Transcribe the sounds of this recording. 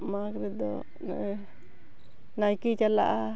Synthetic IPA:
makɾɛd̪ɔ̰ | najkit͡ʃala̰ʔa

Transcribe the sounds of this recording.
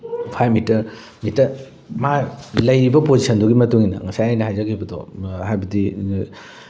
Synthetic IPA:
pʰajmitɐɾ | mitːɐɾ | malɐjɾibɐpozisʰɐnduɡimɐtuŋinɐ̰ŋɐsajajnɐhajzakʰibɐdɔ̰hajbɐdi

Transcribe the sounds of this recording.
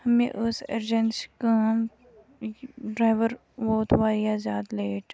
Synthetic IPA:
hɐmḛ̃ʔʊseɾd͡ʒənskãːm | ɖɾaːɪʋəɾ | ʋoːt̪ʋaːjazaːd̪leːʈ

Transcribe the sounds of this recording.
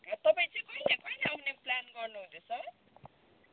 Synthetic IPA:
ʌt̪ʌpãĩt͡saj̃kʌinakʌinaʌuneplanɡʌrnuɦund̪esʌ

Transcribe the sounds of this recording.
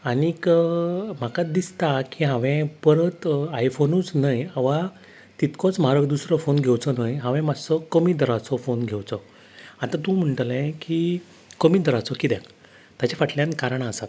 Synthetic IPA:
anik | m̤akad̪ist̪akiɦãʋɛ̃pəɾət̪ajfonũt͡snajaʋa | t̪it̪kɔ̃t͡sm̤aɾəɡd̪usɾəfonɡʱewt͡sɔnajɦãʋɛ̃mad͡zsɔkəmid̪ʱəɾat͡sɔfonɡʱewt͡sɔ | at̪ãt̪ũm̤əɳʈəlɛ̃ki | kəmiːd̪ʱəɾat͡sɔkit̪ɛ̃k | t̪at͡ɕafaʈʰljãnkaɾɳasat̪̚

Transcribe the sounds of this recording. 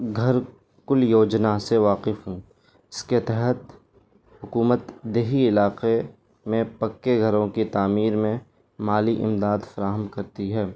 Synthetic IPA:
ɡʱɐɾ | kʊljoːd͡ʒnaseʋaːqɪfɦũː | ɪsket̪ɛɦɛt̪ | hʊkuːmət̪d̪eːɦiɪlaːqe | mẽpɐkːeɡʱɐɾõkit̪aːmiːɾmẽ | maːliʔɪ̰md̪aːd̪fɐɾaːɦəmkɐɾt̪iɦɛː

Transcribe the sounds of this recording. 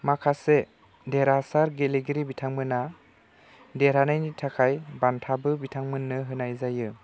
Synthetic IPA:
makʰase | deɾasaɾɡeleɡiɾibitʰaŋmɯna | deɾanɯjnitʰakʰajbantʰabɯbitʰaŋmɯnːɯɦɯnajzajɯ

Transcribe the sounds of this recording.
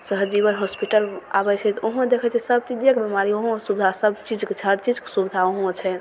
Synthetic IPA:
səɦd͡ʒiβənɦospiʈəla̰bɛt͡ʃʰɛt̪ɔoɦd̪ekʰɛt͡ʃʰɛsəb̚t̪id̪jəkebɛmaɾioɦõsubd̪ʱasəbt͡ʃid͡ʒket͡ʃʰəɾt͡ʃid͡ʒksubd̪ʱaoɦõt͡ʃʰɛ

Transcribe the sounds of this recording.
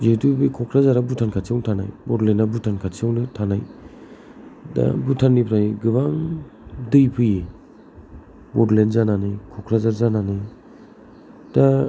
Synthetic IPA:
zetubɯjkʰɔkʰɾazaɾabutʰankʰatsʰiawŋtʰana̰jbɔɾlenabutʰankʰasʰiawnɯtʰanaj | da̰butʰanːipɾajɡɯbaŋdɯjpʰɯje | bɔɾlenzananɯjkʰɔkʰɾazaɾzananɯj | d̥a

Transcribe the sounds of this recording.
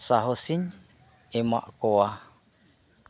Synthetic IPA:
saɦosiɲ | ema̰ʔkoa

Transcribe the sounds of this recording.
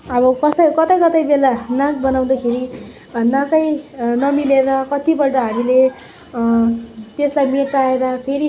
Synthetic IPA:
ʌbʌkʌsʌkʌt̪ʌjkʌt̪ʌjbelanãk̚bʌnaw̃d̪akʰeɾi | nãkʌjnʌmileɾʌkʌt̪ibʌʈʌɦamile | t̪eslajmeʈaeɾʌpʰeɾi

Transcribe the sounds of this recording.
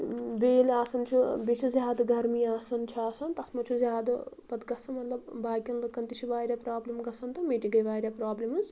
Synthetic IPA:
beːlaːsɐnt͡ʃʰubet͡ʃʰuzʲjaːd̪ɐɡɐɾmiaːsɐnt͡ʃʰuaːsɐnt̪ɐsmɐt͡ʃʰuzjaːd̪ɐpɐt̪ɡɐsʰɐnmɐt̪lɐbbaːɡʲjɐnlɨkːɐnt̪it͡ʃʰuʋaːɾʲjapɾaːblimɡɐsʰɐnt̪ɐmeːʈiɡɐjʋaːɾʲjapɾaːblimɨz

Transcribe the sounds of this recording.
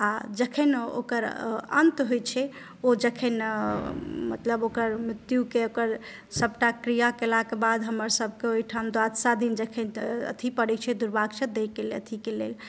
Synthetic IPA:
ad͡ʒəkʰɛno̰kəɾə̰nt̪ɦojt͡ʃʰɛ | od͡ʒəkʰɛn | mə̰t̪ləbokəɾmɾit̪jukeokəɾ | səb̚ʈakɾijakelakebad̪ɦəməɾsəb̚ʱkeoiʈʰamd̪ad̪sad̪ʱind͡ʒəkʰɛnə̰t̪ʰipəɽɛt͡ʃʰɛd̪uɾbaɡt͡ʃəd̪ekelə̰t̪ʰikelḛl

